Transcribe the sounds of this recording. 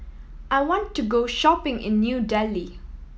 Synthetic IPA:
ʔajwɔ̃ntʰːuɡoʃɔpɪ̃ŋʔɪ̰̃nːjudɛli

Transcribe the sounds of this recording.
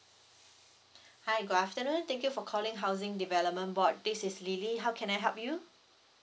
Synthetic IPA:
hajɡudaftənũnt̪ɛ̃ŋkjufɔkʰɔlɪ̃ŋɦawzɪ̃ŋdivɛləp̚mə̃nbɔt̚disɪsliliɦawkʰɛ̃najɦɛlp̚ju

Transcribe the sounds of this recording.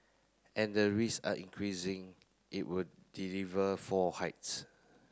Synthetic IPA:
ʔɛ̃ndəɹisa̰ʔḭ̃ŋkʰɹisɪ̃ŋ | ʔḭʔ̚wuddilivəfɔhaɪts

